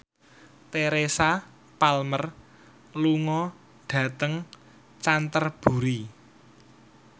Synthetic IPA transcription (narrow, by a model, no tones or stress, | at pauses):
t̪eɾesa | palmər | luŋɔ | ɖ̥ä̤t̪əŋ | t͡ʃant̪ərb̥ṳɾi